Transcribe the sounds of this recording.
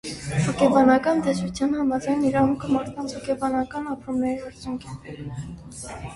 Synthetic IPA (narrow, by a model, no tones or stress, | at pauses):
hɔkɛbɑnɑkɑnt̪ɛsut͡sʰjɑnhɑmɑd͡zɑjniɾɑɦuŋkʰəmɑɾt̪ʰɑnt͡shɔkʰɛbɑnɑkɑnɑpɾumnɛɾiɑɾt͡sʰjuŋkʰɛn